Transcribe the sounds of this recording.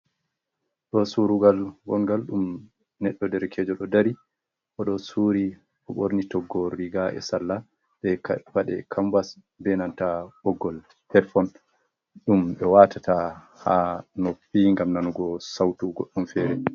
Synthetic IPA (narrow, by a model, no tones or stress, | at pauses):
ɗɔsuɾuɡalɡɔŋɡalɗum | nɛɗːɔdɛɾkʰɛd͡ʒɔɗɔdaɾi | ʔɔɗɔsuːɾi | ɔɓoɾnitɔɡːɔɾiɡaʔɛ̰salːa | ɓɛfaɗɛkʰambas | bɛnantaʔɔɡːɔl | hɛɾfɔn | ɗumɓɛwatʰata | hanopːiŋɡamnanuɡɔsawtuɡɔɗːɔmfɛɾɛ